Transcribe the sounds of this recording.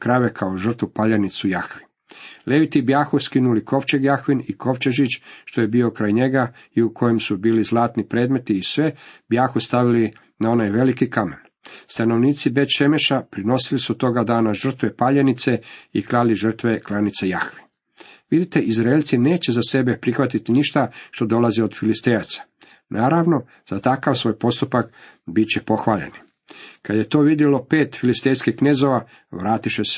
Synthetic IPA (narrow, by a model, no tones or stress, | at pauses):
kɾaʋekʰaoʒər̩t̪ʋupaʎenit̪sujaxʋi | le̞ʋit̪ibjaxuskinuliko̞ʋt͡ɕeɡjaxʋiniko̞ʋt͡ɕeʒit͡ʃʃt̪o̞jebiːo̞kɾaːjɲe̞ɡa | iukʰo̞jemsubiːlizlˠaːt̪nipɾeːd̪me̞t̪iːsʋe̞bjaːxust̪aʋili | nao̞najʋe̞likikamḛn | st̪ano̞ʋniːt̪sibe̞t̪ʃe̞meʃapɾino̞silisut̪o̞ɡad̪aːnaʒr̩t̪ʋe̞paʎenit̪se̞iklaliʒr̩t̪ʋe̞klˠanit̪sejaxʋi̥ | ʋid̪it̪e̞ʔizɾaelʲt̪sine̞ːt͡ɕe̞zase̞be̞pɾixʋat̪it̪iniʃt̪aʃt̪o̞d̪o̞laziod̪filist̪ejat̪sḁ | nʔaːɾaʋno | z̥at̪akaʋsʋo̞ːjpo̞st̪upak | bit͡ɕepo̞xʋaːʎḛni | kad̪je̞t̪o̞ːʋid̪jelo̞peːt̪filist̪ejskixkneːzo̞ʋa | ʋɾaːt̪iʃes